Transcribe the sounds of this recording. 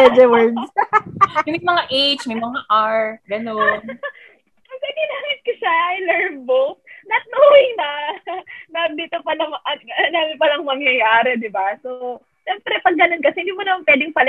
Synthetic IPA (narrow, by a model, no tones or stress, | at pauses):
ɛd͡ʒɛwɛɹd | mjmɐŋaʔɛjt͡ʃmɐjmɐŋaʔaɹɡɐnon | ɐɡɐd̪inaŋɪskʊʃaʔɐjlɛɹmbonɐt̪̚nowɪŋnɐ | nɐd̪iːt̪opɐlɐmʔɐt̪̚ɐnanɪpɐlɐŋmɐŋjɐjaːɾɛd̪ɪbaso | ʃɛmpɾɛpɐɡːɐno̞nkɐsɛhɪnd̪iːmonɐmanpwɛːd̪ɪŋpɐl